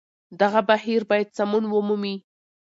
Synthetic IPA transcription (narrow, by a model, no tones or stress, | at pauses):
d̪aɣabahiɾbɑjad̪̚samunwumumi